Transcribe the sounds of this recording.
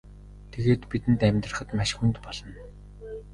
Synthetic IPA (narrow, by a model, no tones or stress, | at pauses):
t̪ʰeɣeːt̪pit̪ɘ̆nt̪æmʲt̪rə̆χə̆t̪maʃxunt̪pɔɮɞ̆n